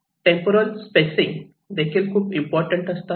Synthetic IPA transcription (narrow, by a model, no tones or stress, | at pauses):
ʈẽmpəɾəlspesĩŋ | d̪ekʰiːlkʰuːpimpɔɾʈə̃ɳʈəst̪a